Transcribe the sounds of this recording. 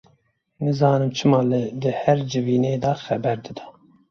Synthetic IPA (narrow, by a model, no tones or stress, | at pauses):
nɨzɑːnɨmt͡ʃʰɨmɑːlɨd̪ɨhɛɾd͡ʒɨviːneːd̪ɑxɛbɛɾd̪ɨd̪ɛ̥